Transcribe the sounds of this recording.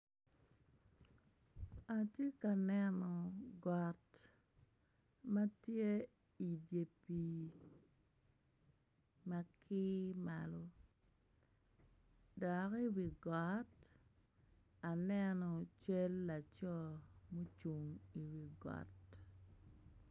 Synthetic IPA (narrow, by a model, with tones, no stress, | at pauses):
a˨tje˦ka˨nɛ˦nɔ˨ɡɔ˨t | mɐ˦tje˦ | i˨dje˨pi˨ | ma˦kʰɪ˦ma˨lɔ˦ | dɔ˨ki˦wi˨ɡɔ˨˦t | a˨nɛ˦nɔ˨t͡ʃe˦lːa˨t͡ʃɔ˦mo˦t͡ʃu˨ŋi˨wi˨ɡɔ̰˨t